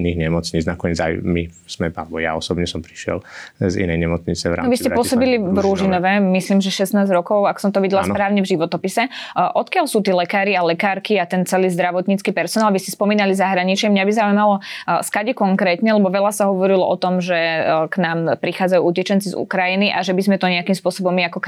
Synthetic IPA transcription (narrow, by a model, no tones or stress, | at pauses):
niɣɲɛmɔt͡sɲiːd͡znakɔɲɛd͡za̰jmi | smɛa̰lɛbɔja̰ɔsɔbɲɛsɔmpɾi̥ʃɪɛ̰lzḭnɛjɲɛmɔt͡sɲit͡sɛʋɾa̰nɔʋiscɛpːʊɔsɔbilivɾuʒinɔʋɛmisliːmʒɛʃɛsnaːzɟɾɔkɔʊakɔ̥sɔmt̪ɔʋiɟɛlaspɾaːʊɲɛvʒiʋɔt̪ɔpisɛʔɔt̪kɪalsuːt̪iːlɛkaːɾialɛkaːɾkiat̪ɛnt͡sɛliːzd̪ɾaʋɔt̪ɲiːt͡skiːpɛɾsɔnaːlʋisispɔmiːnalizaɦɾaɲit͡ʃɪɛmɲabizauimalɔskaɟɛkɔŋkɾɛːt̪ɲɛlɛbɔʋɛlasaɦɔʋɔɾilɔɔt̪ɔmʒɛknaːmpɾixaːd͡zajuucɛt͡ʃɛnt͡sizṵkɾajiniʔa̰ʒɛbizmɛt̪ɔɲɛakimspʊɔsɔbɔmːiakɔk